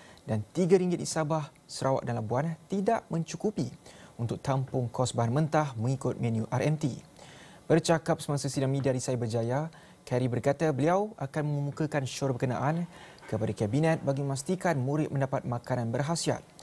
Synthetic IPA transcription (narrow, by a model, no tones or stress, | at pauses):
dant̪iɡaɾiŋɡɪt̪̚ʔisabah | səɾawa̰ʔ̚danlabuant̪idaʔmə̃ɲt͡ʃukupiunt̪ʊk̚t̪ampʊŋkʰɔsbaɦanmə̃nt̪ahmə̃ŋikʊt̪̚mɛ̃njuʔaɾɛmt̪ḭ | bərt͡ʃakap̚səmaŋsəsidaŋmĩdiaɾisajabərd͡ʒaja | kɛɾibərkat̪abəliawakanmə̃məmukəkanʃɔrbəkənãʔan | kəpadakɛbinɛt̪̚baɡimə̃mast̪ikanmũɾɪt̪̚mə̃ndapat̪̚mãkanãnbərɦasia̰t̪̚